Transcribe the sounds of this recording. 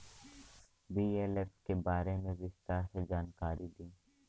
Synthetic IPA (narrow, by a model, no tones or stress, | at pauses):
biːeːlefkebaːɾemẽzɪst̪ased͡ʒaːnkaːɾʔid̪iː